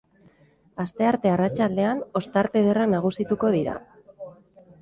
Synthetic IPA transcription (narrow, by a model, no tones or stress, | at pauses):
ast̪e̞aɾt̪e̞arat͡ʃald̪e̞ano̞st̪aɾt̪e̞ð̞eraknaɣ̞usit̪uko̞ð̞iɾa̰